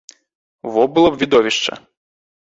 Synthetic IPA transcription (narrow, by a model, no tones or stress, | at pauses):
vɔbɨlˠɔbvʲid̪ɔvʲiʂt͡ʂɐ̰